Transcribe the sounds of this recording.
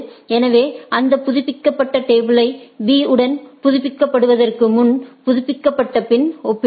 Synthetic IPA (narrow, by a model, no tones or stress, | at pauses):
ɛnɐʋeːʔɐnd̪ɐpːʊðʊpːɪkːɐpːɐʈːɐʈeːbɯlɐɪbiːɯɽɐnpʊðʊpːɪkːɐpːɐɽɯʋɐðɐrkɯmʊnpʊðʊpːɪkːɐpːɐʈːɐpɪnɔpːɪ